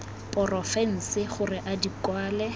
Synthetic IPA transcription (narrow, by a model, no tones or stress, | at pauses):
pʼɔrɔfɛn̩sɪχʊrɪʔadikwaːlɛ